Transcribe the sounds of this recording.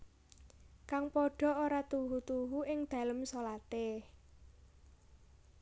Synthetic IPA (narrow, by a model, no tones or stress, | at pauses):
kaŋpoɖ̥ɔ̤oɾat̪uɦut̪uɦuɪŋd̪̥ä̤ləmsolat̪e